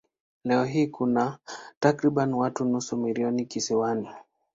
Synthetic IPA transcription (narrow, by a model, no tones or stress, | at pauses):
lɛɔɦiːkunatakɾiɓanwatunusumiliɔnikisiwani